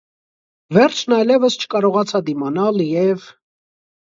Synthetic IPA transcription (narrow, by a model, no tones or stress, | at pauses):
vɛɾt͡ʃʰnɑjlɛvəst͡ʃʰə̥kɑɾɔʁɑt͡sʰɑd̪imɑnɑljɛv